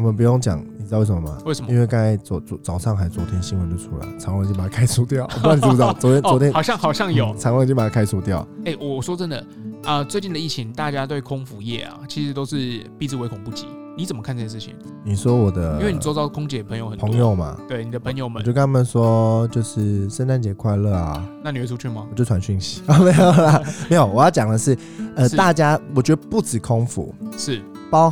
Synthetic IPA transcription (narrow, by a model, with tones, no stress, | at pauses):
ɔ˨˩mə˨p̬u˧˥jo˥˩ŋt͡ɕjɑ̰˨˩ŋni˨˩˧wʂə˨˩mɐ˨ma̰˨˩we˥˩ɪʂə˨mi˥˦nwe˥ɪka˥˩t͡sɔ˧˦t͡sɔ˧˥t͡sɑ˨˩ʊʂɑ˥˩ŋxa˧˥˨t͡swɔ˧˥t̪ʰjɛ˥nɕi˥nwə˧˦nt̪u˥˧ʈ͡ʂʰu˥la̰˨˦t͡sʰɑ˨˥ŋwə˧t͡ɕjpa˨˩a˥kʰa˥ɪsu˥˩t̪jɑ˥˩ʊɔ˨˩˧ni˨˩˥t͡sɑ˨˦t͡swɔ˧˥t̪ʰjɛ˥nwɔ˧˥t̪ʰjɛ˦˥nxɕjɑ˥˩ŋxɑ˨˩ʊɕjɑ˥˧ŋjjo˨˩˦t͡sʰɑ˧˥ŋwpa˨˩a˥kʰa˥ɪsu˥˧t̪jɑ˥˨ʊe˥˩ɪwɔ˨˩ɔ˨˩ʂwɔ˥t͡sə˦˥nd̪ə˨˩ | ʔə˧t͡swe˥˧ɪt͡ɕi˥˩də˩i˥˩t͡ɕʰi˧˥ŋt̪a˥˩t͡ɕja˥t̪we˥˩ɪkʰʊ˥ŋfu˨˧˦jɛ̰˥˩ɐ̰˨˩t͡ɕʰi˧˥ʂɻ̩˧˥t̪o˥ʊʂɻ̩˥˧pi˥˧t͡s̩˥˩we˧ɪkʰʊ˨˩ŋpu˥˩t͡ɕḭ˨˦ | ni˧˥t͡sə˨˩mə˦kʰa˥˧nt͡sə˨ʂ̩˥˩t͡ɕʰḭ˨˦ŋ | ni˨˩swɔ˦˥wɔ˨˩d̪ə˦˥we˥˩n˨t͡sɔ˥ʊɑ˥ʊkʰʊ˥ŋt͡ɕjɛ˨˩pʰə˧˦ŋjo˨˧˦xə˨˩pʰə˦˧˦ŋjjo˨ʊma̰˩t̪we˥˩ɪni˨˩d̪ə˦pʰə˧˥ŋjo˨ʊmə˨t͡ɕjo˥˧kna˥mə˥˧˩nswɔ˦t͡ɕjo˥˧ʊʂɻ̩˥˩ʂə˥˦nʈ͡ʂa˥nt͡ɕjɛ˨˩kʰwa˥˧ɪlə˥˩a̰˩na˥˩ni˨˩wɛ˥˩u˥t͡ɕʰy˥˩mɐ˩ɔ˨˩t͡ɕjo˥˩tʰa˧˥nɕy˥˩nɕi̥˧˥ə˨˧me˧˥ɪjo˨˩lɐ˨˩me˧˥ɪjo˨˩ʊwɔ˨˩jɑ˥˩ʊt͡ɕjɑ˨˩ŋd̪ə˦ʂɻ̩˥˩ | ə˧˥t̪a˥˩t͡ɕja˥wɔ˨˩t͡ɕɥɛ˧˥d̪ə˧˨pu˥˩t͡sɹ̩˨˩kʰʊ˥ŋfṵ˨˦ʂɻ̩˥˩ | pɑ˥ʊ